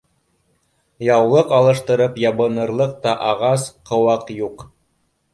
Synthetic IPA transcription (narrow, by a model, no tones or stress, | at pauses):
jɑwlˠɤqɑlˠɤ̆ʃt̪ɤ̆ɾɤpjɑβɤ̆nɤ̆ɾlˠɤq̚t̪ɑʔɑʁɑsqʰɤ̆wɑqjuq